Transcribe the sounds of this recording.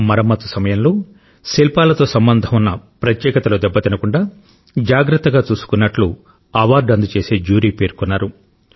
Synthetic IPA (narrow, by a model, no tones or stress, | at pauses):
mɐɾɐmːɐt̪ːusɐmɐjɐmloː | selpaːlɐt̪o̞ːsɐmbɐnd̪ʱɐmunːɐpɾɐt̪jɛːkɐt̪ɐloːd̪ɛbːɐt̪inɐkuɳɖaː | d͡ʒaːɡɾɐt̪ːɐɡaːt͡ʃuːsu̥kunːɐʈlu | ɐʋaːɾɖɐnd̪ut͡ʃe̞ːse̞ːd͡ʒuːɾiːpe̞ːɾkunːaːɾu